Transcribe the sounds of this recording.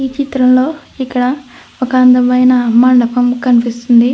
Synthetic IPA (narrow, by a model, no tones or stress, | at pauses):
iːt͡ʃit̪ɾɐmloːikːɐɽɐ | okɐaːnd̪ɐmɐjnɐmɐɳɖɐpɐmkɐnipist̪und̪i